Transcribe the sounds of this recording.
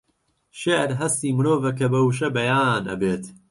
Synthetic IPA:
ʃeʕɾɦɐst̪iːmɨɾoːvɐkʰɐbɐwʃ̬ɐbɐjaːnɐ̰beːt̪

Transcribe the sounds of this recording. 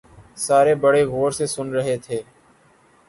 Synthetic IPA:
saːɾeːbəɽeːɣoːɾseːsʊnɾəɦeːt̪ʰeː

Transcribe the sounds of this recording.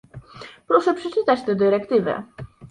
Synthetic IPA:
pɾɔʂɛpʂɛt͡ʂɘt̪at͡ɕt̪ɛd̪ɘɾɛkt̪ɘvɛ̰

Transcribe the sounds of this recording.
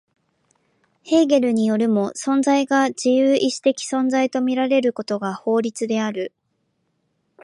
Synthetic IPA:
he̞ːɡe̞ɾɯ̟ɲ̟ijo̞ɾʲɯ̟mo̞sõ̞nd͡zaiɡad͡ʑijɯːʔiɕi̥t̪e̞kʲi̥sõ̞nd͡zait̪o̞mʲiɾaɾe̞ɾɯ̟ko̞t̪o̞ɡaho̞ːɾʲit͡sɨd̪e̞aɾɯ̟

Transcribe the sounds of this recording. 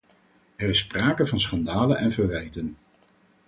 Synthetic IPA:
ɛrɪsːpraːkəvɑnsχɑndaːlənʔɛnvəɹʋɛjtən

